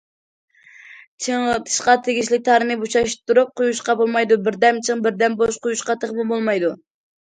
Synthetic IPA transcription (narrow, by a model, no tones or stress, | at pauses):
t͡ʃʰəɴt̪ʰɨ̥ʃqɑt̪ʰɪɡʲiʃlɪk̚ʲt̪ʰɑɾɨnɨbut͡ʃɑʃ̚t̪ʰːuɾup̚qʰʊjuʃqɑbolˠmɑjd̪ubɪɾd̪ɛmt͡ʃʰɨŋbɪɾd̪ɛmboʃqʊjuʃqɑt̪ʰeχmɨbolˠmɑjd̪u